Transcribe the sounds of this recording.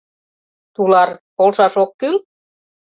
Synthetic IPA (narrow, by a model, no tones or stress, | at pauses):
t̪ulɑrpolʃɑʃokːyl